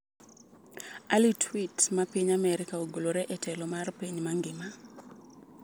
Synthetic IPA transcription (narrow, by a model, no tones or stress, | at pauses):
alitʰwitmapiɲamɛɾikaoɡoloɾɛʔɛtʰɛlɔmarpiɲmaŋɡɪma